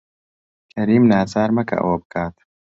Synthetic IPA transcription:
kʰɐɾiːmnaːt͡saːɾmɐkʰɐ̰ʔɐ̰wɐbɨkʰaːt̪

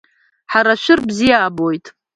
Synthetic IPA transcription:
ħaɾaʃʷᶣɪrbzijaːbojtʼ

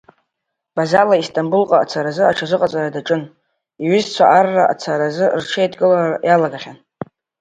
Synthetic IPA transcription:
b̥azalaistʰʼambulqʼaat͡sʰaɾazɨaʈ͡ʂʰazʷɨqʼat͡sʼaɾadaʈ͡ʂʼɨn | iɥʏzt͡sʷʰaʔarːaʔa̰t͡sʰaɾazɨrʈ͡ʂʰejtʼɡʼɨlarjalaɡaχʲan

